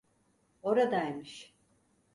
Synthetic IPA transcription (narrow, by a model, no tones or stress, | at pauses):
o̞ɾad̪ajmiʃ